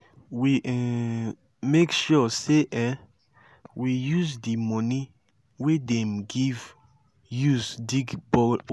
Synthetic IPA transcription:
wiʔ | mekʃɔseʔɛ̃ | wijuzdimɔni | wedɛ̃mɡiv | juzdiɡbɔ

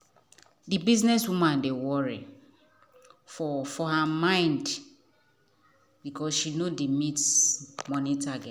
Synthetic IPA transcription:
dibiznɛswumãndewɔɹi | fɔfɔhamãɪ̃nd | bikɔsʃinodimitsmɔ̃nitaɡɛt

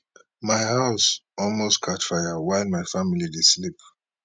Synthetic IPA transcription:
maɪhaʊsɔlmostkʰatfajawaɪlmaɪfamilideslip̚

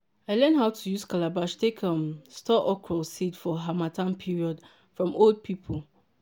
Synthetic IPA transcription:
aɪlɜ̃nɦaʊtʰujuskalabaʃtʰekʰãmstʰɔʔɔkʰɹɔlsitfɔɦamatʰãnpʰiɹiɔd | fɹɔ̃molˠd̚pʰipʰol

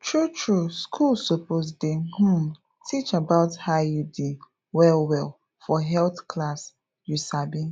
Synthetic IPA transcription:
tʰɹutʰɹuskʰulˠsopozdeh̩ | tʰit͡ʃabaʊthajudi | wɛlwɛlˠ | fɔɦɛlθkʰlas | jusabĩ

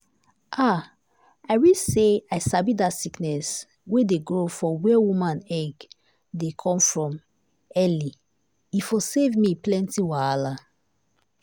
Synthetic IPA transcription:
ʔa | aɪwiseaɪsabidatsiknɛs | wedeɡɹofɔwɛwumãnɛɡ | dekʰɔ̃mfɹɔ̃m | ɛli | ifosevmiplɛ̃ntiwaala

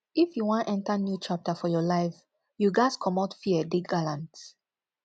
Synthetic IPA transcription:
ifjuwãntɛ̃ntənjut͡ʃap̚tʰəfɔjɔlaɪf | juɡaɪskʰɔmatfiədiɡalãnt

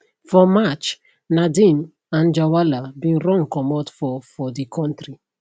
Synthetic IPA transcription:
fɔmat͡ʃ | nadĩm | ãnd͡ʒawalabĩɾɔ̃ŋkɔmɔtfɔfɔdikʰɔ̃ntɹi

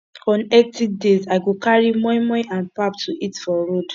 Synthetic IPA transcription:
ɔ̃nɛtik̚dezaɪɡokaɹimɔjmɔ̃ãnpaptʰuʔitfɔɹod

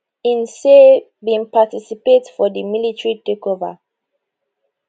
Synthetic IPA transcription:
ĩnse | bĩŋpatisipetfɔdimilitɹitekɔva̰

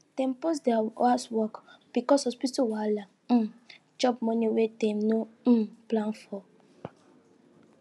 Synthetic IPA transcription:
tɛ̃mposdɛaaswɔkb̥ikɔshɔspituwala | d͡ʒɔp̚mɔniwetẽmnoplãnfɔ

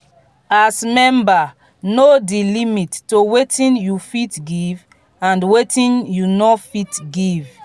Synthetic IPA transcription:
asmɛ̃mba | nodilimitːowetʰĩnjufitɡiv | ãndwetʰĩnjunɔfitɡiv

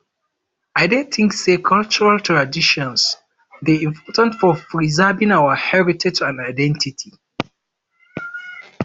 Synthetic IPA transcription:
aɪdɛ̃tʰĩŋsekʰalt͡ʃuɹaltʰɹadiʃɔ̃ns | ðeĩmpʰɔtãntfɔpɹizɛvĩŋawəhɛɹitʰɛd͡ʒãndaɪdɛ̃ntitʰi

